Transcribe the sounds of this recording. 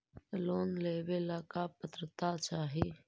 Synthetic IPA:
loːnleːbelaːkapət̪ɾət̪at͡ʃaːɦiː

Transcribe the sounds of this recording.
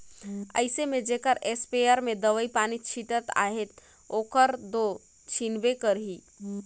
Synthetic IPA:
ə̰ɪsemed͡ʒekəɾespeəɾmed̪əʋəipanit͡ʃʰiʈət̪a̰ɦet̪ | okəɾd̪o | t͡ʃʰinbekəɾɦi

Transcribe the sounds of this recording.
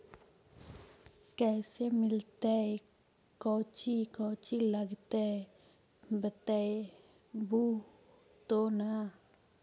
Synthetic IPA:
kɛsemɪlt̪ɛj | kɔt͡ʃikɔt͡ʃilaɡt̪e | bət̪ɛj | bu | t̪ona

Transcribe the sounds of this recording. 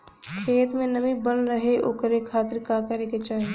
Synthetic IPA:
kʰeːt̪mẽnəbibənɾəɦeʔoːkɾekʰaːt̪ɪɾkakəɾeket͡ʃaːɦe

